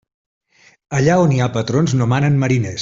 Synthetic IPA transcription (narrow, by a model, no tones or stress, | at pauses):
əʎaoniapət̪ɾonznomanənməɾines